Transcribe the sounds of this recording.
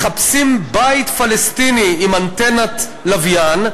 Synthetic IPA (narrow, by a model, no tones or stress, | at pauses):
χapsimbait̪falest̪iniimant̪enat̪ | lavjan